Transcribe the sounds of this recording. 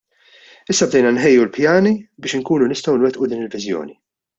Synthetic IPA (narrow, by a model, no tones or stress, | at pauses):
ɪsːɐb̚d̪ɛjnɐnħɛjːulpjɐːnibɪːʃɪŋkuːnunɪst̪ɔwnwɛt̪ʔud̪iːnɪlvɪzjɔ̰ːni